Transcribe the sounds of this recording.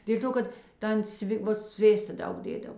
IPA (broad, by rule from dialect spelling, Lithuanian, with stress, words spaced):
dʲeːlʲ ˈtoː ˈkɐt ˈtɐn ˈsʲʋʲɪ ˈʋɐ ˈsʲʋʲeːstɐ ˈdɐʊk ˈdʲeːdɐw